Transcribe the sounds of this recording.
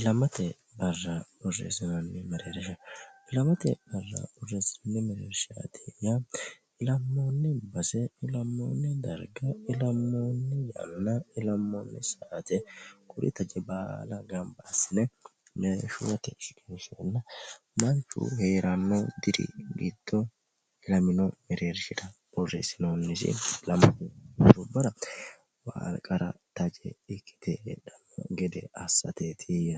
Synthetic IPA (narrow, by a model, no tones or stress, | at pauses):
ɪlɐmɐt̪ɛ | bɐrːabɔrːḛːsɪnɐnːɪmɛɾeːɾɛʃɐʔɪlɐmɐt̪ɛ̰b̥ɐrːɐ̰bɔrːeːsɪnɐnːɪmɛɾeʃa̰ːd̪eːja | ɪlɐmːo̞ːnːɪbɐsɛɪlɐmːo̞̰ːnːɛd̪ɐɾɡɐɪlɐmːo̞ːnːɛjɐ̰nːɐɪlɐmːoːnːɛsaːt̪ɛkʰʼʊɾɪ̰t̪ɐd͡ʒɛbaːlɐɡɐmbaːsɪnɛ | mɛʃʊwɐt̪ɛkʼɛnʃonːɐ | mɐnt͡ʃːṵheːɾʔɐnːod̪ɪɾɪ̰ɡɪd̪̥ːɔ | ɪlɐmɪnɔmɛɾeːɾʃɪd̪ɐbɔrːḛsɪnonːɪsɪ̰lɐmɐtɾɔbɐɾɐ | wa̰ːlkʼɐɾɐ̰t̪ɐd͡ʒɛ̰ɪkʰːɪ̥t̪ɛᶑɐmːɔ̰ɡɛd̪ɛ̰ɐsːɐ̰t̪et̪ʰijɐ